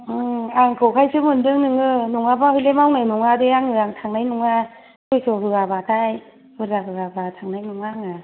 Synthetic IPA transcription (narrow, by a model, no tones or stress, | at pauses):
aŋkʰɯwkʰajsʰɯmɯndɯŋnɯŋɯnuŋabahɯjlemawnajnuŋadeaŋɯaŋtʰaŋnajnuŋa | kʰɯjsɔɦɯabatʰaj | hɯɾaɦɯabatʰaŋnajnuŋaŋa